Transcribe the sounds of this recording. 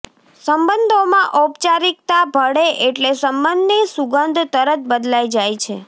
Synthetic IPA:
səmbənd̪ʱomãʔopt͡ʃaɾik̚t̪abʱəɽeʔeʈlesəmbənd̪nisuɡənd̪ʱt̪əɾət̪̚bəd̪lajd͡ʒajt͡ʃʰe

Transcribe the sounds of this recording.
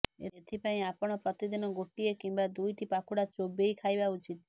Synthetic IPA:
ḛet̪ʰipaĩapɔɽ̃ɔpɾɔt̪id̪inɔɡoʈiekimbad̪ujʈipakʰuɽat͡ʃobejkʰajbaut͡ʃit̪

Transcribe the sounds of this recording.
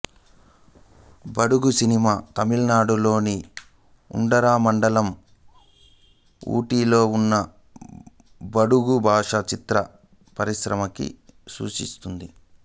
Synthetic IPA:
bɐɽuɡusinimaːt̪ɐmilnaːɽulo̞ːni | ṵɳɖɐɾaːmɐɳɖɐlɐm | ṵːʈiːlo̞ːunːɐ | bɐɽuɡubʱaːʂɐt͡ʃit̪ɾɐ | pɐɾiʃɾɐmɐkḭsṵːʂḭst̪und̪i

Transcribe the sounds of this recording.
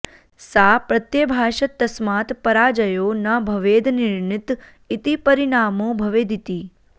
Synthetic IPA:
sapɾət̪jəbʱaːʃət̪ːəsmat̪pəɾad͡ʒəjonabʱəʋed̪ʱnɪɾɳɪt̪ | it̪ipəɾiɳaːmobʱəʋed̪ʱit̪i

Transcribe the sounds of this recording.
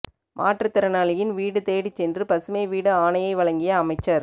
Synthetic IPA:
mʔa̰ːʈrɐt̪ːɪɾɐnaːlɐjɪnʋiːɽɯt̪eːɽɪt͡ʃːɛndrɯpɐsɯmɐɪʋiːɽɯaːnɐjɐɪʋɐɭɐŋɡɪjɐːmɐɪt͡ʃːɐɾ

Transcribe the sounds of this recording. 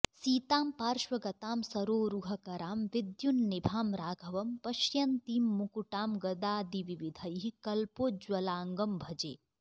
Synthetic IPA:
siːt̪aːmpaːɾʃʋɐɡɐt̪aːmsɐɾoːɾuɦɐkɐɾaːmʋɪd̪junːɪbʱaːmɾaːɡʱɐʋɐmpɐʃjɐnt̪iːmːukuʈaːmɡɐd̪aːd̪iʋiʋid̪ʱɐjɦikɐlpoːd͡ʒwɐlaːŋɡɐmbʱɐd͡ʒḛː

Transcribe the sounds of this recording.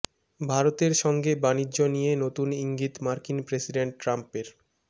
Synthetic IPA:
bʱaɾot̪eɾʃɔŋɡebaniʑonijenot̪uniŋɡit̪maɾkinpɾesiɖeɳʈʈːɾampeɾ

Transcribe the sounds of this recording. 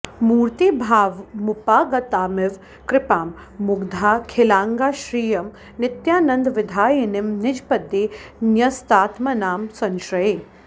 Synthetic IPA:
muːɾt̪ibʱaːʋmʊpaːɡɐt̪aːmɪʋ | kɾɪpaːmː | ʊɡd̪ʱaːkʰɪlaːŋɡaːʃɾiːjɐm | nɪt̪jaːnɐnd̪ʋɪd̪ʱaːjɐnɪmnɪd͡ʒpɐd̪jeːnjɐst̪aːt̪mɐnaːmsɐnʃɾɐjeː

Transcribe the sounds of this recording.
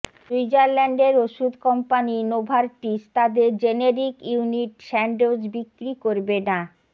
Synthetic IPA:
suid͡ʑaɾlɛɳɖeɾoʃud̪ʱkɔmpaninobʱaɾʈist̪ad̪eɾd͡ʑeneɾikuniʈʃɛɳɖod͡ʑbikɾikoɾbena

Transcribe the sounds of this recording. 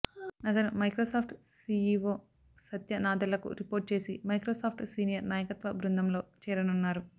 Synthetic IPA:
nɐt̪ɐnumɐjkɾoːsaːpʰʈsiːiʋoː | sɐt̪jɐnaːd̪ɐlːɐkṵɾipoːɾʈ̚t͡ʃe̞ːsimɐjkɾoːsaːpʰʈsiːnijɐɾnaːjɐkɐt̪ʋɐbɾund̪ʱɐmlo̞ːt͡ʃɛːɾɐnunːaːɾu

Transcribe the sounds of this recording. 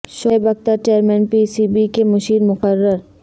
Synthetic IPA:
ʃoːebɐk̚t̪əɾt͡ʃeːəɾmɛ̃ːnpisiːbikemɐʃiːɾmʊqəɾːəɾ

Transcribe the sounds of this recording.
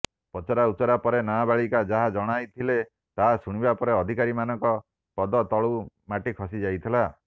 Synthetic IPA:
pɔt͡ʃɔɾaut͡ʃɔɾapɔɾenabaɭikad͡ʒaɦad͡ʒɔɽ̃ajt̪ʰile | t̪aɦasuɽ̃ibapɔɾeɔd̪ʱikaɾimanɔŋkɔ | pɔd̪ɔt̪ɔɭɔw | maʈikʰɔsid͡ʒajt̪ʰila

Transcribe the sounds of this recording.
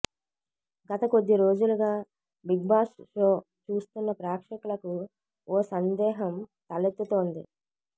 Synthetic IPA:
ɡɐt̪ɐko̞d̪ːiɾo̞ːd͡ʒuluɡaː | biɡ̚baːʂʂoː | t͡ʃuːst̪unːɐpɾaːkʂɐkulɐku | oːsɐnd̪ɛːɦɐmt̪ɐlet̪ːut̪o̞ːnd̪ḭ

